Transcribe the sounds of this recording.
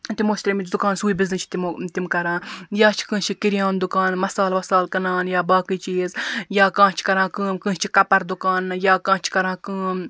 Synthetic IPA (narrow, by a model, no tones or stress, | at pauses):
t̪imoːʃt̪ɾemit̪ʲd̪ukaːnsuːibiznɨt͡ʃʰi̥t̪it̪imkɐɾãːjaːt͡ʃʰi̥kɨ̃ːt͡ʃʰikiɾijaːnd̪ʊkaːnmɐsaːlmɐsaːlkɐnaːnjaːbaːkiːt͡ʃiːzjaːkãːt͡ʃʰi̥kɐɾãːkɨːmkɨ̃ːt͡ʃʰikɐpɐɾd̪ʊkaːnjaːkãːt͡ʃʰkɐɾãːkɨːm